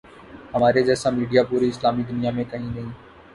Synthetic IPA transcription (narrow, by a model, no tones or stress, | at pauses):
ɦəmaːɾed͡ʒɛːsãːmiːɖijaːpuːɾiːɪslaːmid̪ʊnɪjaːmẽkəɦĩːnəɦĩː